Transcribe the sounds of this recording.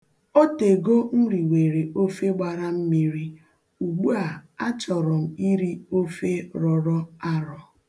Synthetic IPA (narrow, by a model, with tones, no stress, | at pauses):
o˦te˨ɡo˦n̩˦ɾi˨we˨ɾe˨o˦fe˦ɡ͡ba˨ɾa˦m̩˦mi˦ɾi˦ | u˨ɡ͡bu˦a˨a˦t͡ʃɔ˨ɾɔ˨m̩˨i˦ɾi˦o˦fe˦ɾɔ˨ɾɔ˦a˦ɾɔ˨